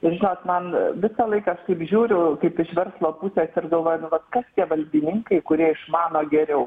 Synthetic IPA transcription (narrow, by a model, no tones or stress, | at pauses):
ɪɾʒʲɪnoːt̪mɐnʋʲɪsɑlˠɐɪkɐɐʃtɐɪpʒʲuːɾʲʊkɐɪpɪʃʋʲɛrslˠoːpʊsʲɛːsɪrd̪oːʋoːnʊʋɐt̪kɐst̪ʲiɛʋɐlʲbʲɪnʲɪŋkɐɪkʊɾʲiɛɪʃmɑːnoːɡʲɛɾʲɛʊ